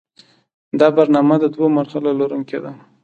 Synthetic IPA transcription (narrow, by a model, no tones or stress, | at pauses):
d̪ɑbaɾnɑmad̪əd̪womaɾxalaloɾuŋked̪a